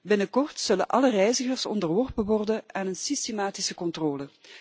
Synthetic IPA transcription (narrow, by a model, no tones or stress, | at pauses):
bɪnəkɔrtsɵlə̰nʔɑlərɛjzəɣərsɔ̰ndərʋɔrpənʋɔrdənaːnənsistemaːtɪsəkɔntroːlə